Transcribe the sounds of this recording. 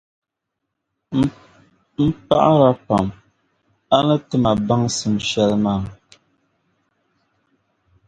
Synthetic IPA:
m̩˦pa̰˦ʔɾa˦pa˨m | a˦nə˦tɨ˦ma˨ba˦ŋsɨ˨m˨ʃɛ˦lmaː˦˨

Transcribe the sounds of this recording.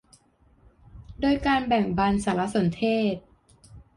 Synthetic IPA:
doː˧jkaː˧nbɛ˨˩ŋba˧nsaː˨˩˦la˦˥so˨˩˦nt̪ʰeː˥˩t̪̚

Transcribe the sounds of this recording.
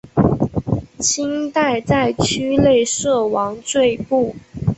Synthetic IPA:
t͡ɕʰi˥ŋt̪a˥˧ɪt͡sa˥˧ɪt͡ɕʰy˥le˥˩˧ɪʂɤ˥˩wɑ˧˥ŋt͡swe˥˧ɪpu˥˩

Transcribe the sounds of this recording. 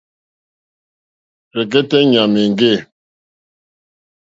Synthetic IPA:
ɾɛ˨k̬ɛ˦tɛ˦ɲa˨me˨ŋ˨ɡe˦˨

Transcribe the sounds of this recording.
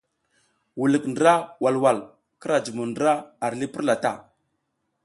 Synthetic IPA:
wu˨lə˨kndə˨ɾa˦wa˨lwa˨l | kə˦ɾa˨d͡ʒu˨mu˨ndə˦ɾa˦a˨ɾli˦pi˦ɾla˨ta̰˦˨

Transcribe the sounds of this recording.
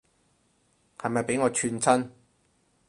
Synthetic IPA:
hɐ˨jmɐ˨jpe˨˥jŋɔː˨˧t͡ʃʰyː˧nt͡sʰɐ˥n

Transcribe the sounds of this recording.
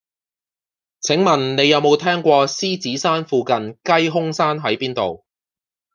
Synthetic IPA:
t͡sʰɪ˨˥ŋmɐ˨˩nne˨˧jɐ˨˧wmo˨˧wt̪ʰɛː˥ŋkʷɔː˧siː˥t͡siː˨˥saː˥nfuː˨˧kɐ˨˧nkɐ˥jɦʊ˥ŋsaː˥nɦɐ˨˥jpiː˥nt̪o̰˨w

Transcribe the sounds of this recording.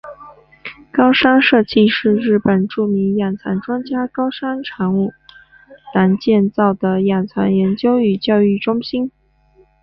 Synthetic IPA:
kɑ˥ʊʂa˥nʂɤ˥˧t͡ɕi˥˧ʂɻ̩˥˧ɻɻ̩˥˩pə˨˩nʈ͡ʂu˥˩mi˧˥ŋja˨˩nt͡sʰa̰˧˥nʈ͡ʂwa˥nt͡ɕja˥kɑ˥ʊʂa˥nʈ͡ʂʰa˧˥ŋu˥˩ | t̪a˧˥nt͡ɕjɛ˥˧nt͡sɑ˥˩ʊd̪ə˩ja˨˩nt͡sʰa̰˧˥njɛ˧˥nt͡ɕjo˥ʊy˨˩t͡ɕjɑ˥˧ʊy˥˩ʈ͡ʂʊ˥ŋɕi˥n

